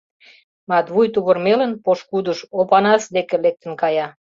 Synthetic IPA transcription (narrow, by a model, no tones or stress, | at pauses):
mɑt̪βujt̪uβə̆rmelənpoʃkud̪uʃopɑnɑsd̪ekĕlek̚t̪ə̆nkɑjɑ